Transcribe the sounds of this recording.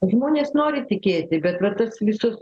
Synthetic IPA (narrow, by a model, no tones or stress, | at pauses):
ʒmoːnʲeːsnoːɾʲɪt̪ʲɪkʲeːt̪ʲɪbʲɛt̪ʋɐt̪ɐsʋʲɪsʊs